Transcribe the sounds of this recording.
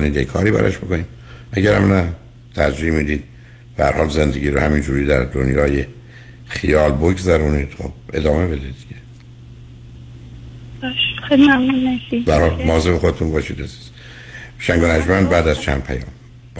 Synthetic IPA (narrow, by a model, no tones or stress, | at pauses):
niːd̪jekʰɒ̰ːɾiːbæ̰ɾɒ̰ʃbo̞ko̞niːd̪ | ʔæɟæɾæmnæ | t̪ʰæɾd͡ʒiːhmid̪iːd̪̚ | b̥æhæɾhɒːlze̞nd̪e̞ɡiːɾohæmind͡ʒuːɾiːd̪æɾd̪onjɒːje | χijɒːlboɡzæɾuːniːd̪̥χo̰b̥ʔḛd̪ɒːme̞be̞d̪ed̪iɟe | bʃxejlimæmnunnæsibææɾhɒːlmɒːzebexo̞d̪et̪ʰunbɒːʃiːd̪æzi̥z̥ | ʃæŋɡonæd͡ʒmænbæːd̪æzt͡ʃʰæ̰n̥̚pʰæjɒ̰ːm | b